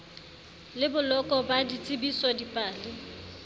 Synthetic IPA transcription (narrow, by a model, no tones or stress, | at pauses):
lɪbʊlɔkʼɔbadit͡sʼɪbisɔdipʼaːlɪ